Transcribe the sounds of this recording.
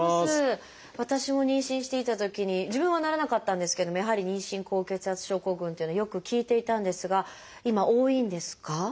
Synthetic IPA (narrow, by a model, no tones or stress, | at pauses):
asɨ | βat̪aɕimo̞ɲ̟ĩɰ̃ɕĩɕi̥t̪e̞it̪at̪o̞kʲiɲ̟id͡ʑibɯ̃ɰ̃anaɾanakat̪ːãnd̪e̞sɨ̥keed̪o̞mojaɦaɾʲiɲ̟ĩɕĩŋko̞ːke̞t͡sɨɦat͡sɨ̥ɕo̞ːko̞ːɡɯ̟̃nt̪e̞jɯ̟noajokɯ̟kʲiːt̪e̞it̪ãnd̪e̞sɨɡa | imaʔo̞ːĩnd̪e̞sɨ̥ka